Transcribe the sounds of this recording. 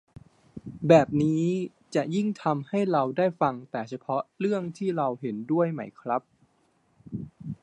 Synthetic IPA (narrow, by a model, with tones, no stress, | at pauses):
bɛː˨˩p̚niː˦˥ | t͡ɕa˨˩ʔji˥˩ŋt̪ʰa˧mha˥˩jɾa˧wdaː˥˩jfa˧ŋt̪ɛː˨˩t͡ɕʰa˧pʰɔ˦˥ɾɯ˥˩əŋt̪ʰiː˥˩ɾa˧wɦe˩˦ndu˥˩əjma˦˥jkʰɾa˦˥p̚